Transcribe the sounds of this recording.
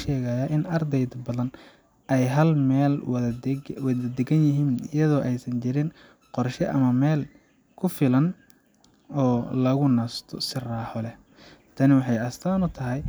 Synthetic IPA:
ʃɛːɣaːjaʔɪnɐrd̪ɛjd̪bɐðɐn | ʔɛjɦɐlmɛːlwwɐðɐd̪ɛɡɐnjɪɦiːnɪjɐðɔːʔɛjsɐnt͡ʃɪɾɪn | qɔrʃɛʔɐmɐmɛːl | kʰʊfɪlɐn | ɔːlɐɣʊnast̪ʰɔsɪraːħɔlɛ | t̪ʰɐnɪwɑħɑjɐst̪ʰaːnʊt̪ʰɐɦɛj

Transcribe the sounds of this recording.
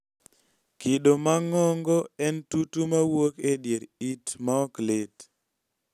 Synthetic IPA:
kɪɗomaŋɔŋɡɔɛntutumawokedjeɾitmaɔklet

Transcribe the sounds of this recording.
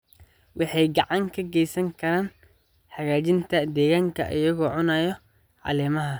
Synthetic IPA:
wʔɑħɑjɡɑʕɑŋkʰɐɡɛjsɐŋkʰɐɾaːn | ħɑɣaːt͡ʃɪnt̪ʰɐd̪ɛːɣaːŋkʰɐ̰ʔɪjɐɣɔːʕʊnaːjɔ | ʕɑ̰lɛːmɐɦɐ

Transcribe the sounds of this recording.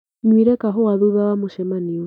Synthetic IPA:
ɲwiɾɛkaɦowaðuβawamoʃɛmaniɔ

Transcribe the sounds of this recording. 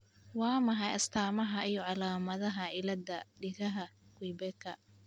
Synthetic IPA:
wɑːmɐɦɐjɐst̪ʰaːmɐɦɐʔijɔʕɑlaːmɐðɐɦɐʔɪlɐd̪ɐɖɪɣɐɦɐɡwijbɛkʰɐ̰

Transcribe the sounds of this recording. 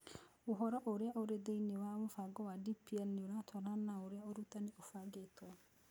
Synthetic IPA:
oɦɔɾɔʔoɾeaʔoɾedeinewamofaɡɔwadipiɛnioɾatʰɔɾanaoɾeaoɾutaneʔofaɡetwɔ

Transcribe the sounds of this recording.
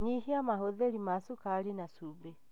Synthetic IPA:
ɲihiamaɦoðeɾimasukaɾinasube

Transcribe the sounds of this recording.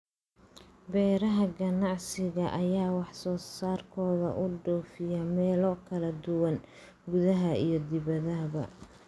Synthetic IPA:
bɛːɾɐɦɐɡɐnɑʕsɪɣɐʔɐjaːwɑħsɔːsaːrkʰɔːðɐ̰ʔʊɖɔːfɪjɐmɛːlɔkʰɐlɐd̪ʊwɐn | ɡʊðɐɦɐijɞd̪ɪβɐðɐɦβɐ̰

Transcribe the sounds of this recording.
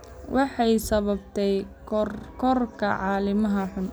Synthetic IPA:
wʔɑħɑjsɐβɐbt̪ʰɛj | rkʰɔrkʰɐ̰ʕɑːlɪmɐɦɐħʊn

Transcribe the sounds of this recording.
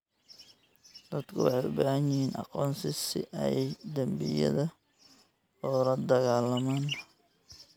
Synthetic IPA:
d̪̥ɐd̪kʰʊwɑ̰ħɑjʊbaːhɐɲɪhiːnʔɑ̰qɔːnsɪsɪ̰ʔɛ̰jɛjd̪ɐmbɪ̰jɐ̰ðɐ | ɔːlɐd̪ɐɣaːlɐmaːn

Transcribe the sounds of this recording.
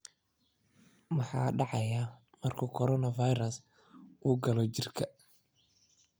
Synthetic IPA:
mɑħɑ̰ːɖɑʕɑja | mɐrkʰʊkʰɔɾɔnɐvɐjɾɐs | uːɡɐlɔt͡ʃɪrkʰɐ

